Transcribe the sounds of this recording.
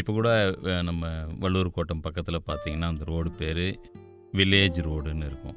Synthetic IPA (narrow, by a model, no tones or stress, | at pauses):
ɪpːoːkuːɽɐnɐmːɐʋɐɭːuːɾɯkoːʈːɐmpɐkːɐt̪ːɪlɐpaːɾt̪iːŋɡɐnːaːɐnd̪ɐɾoːɽɯpeːɾɯ | ʋɪlːeːd͡ʒɾoːɽnːɯɪɾɯkːʊ̰̃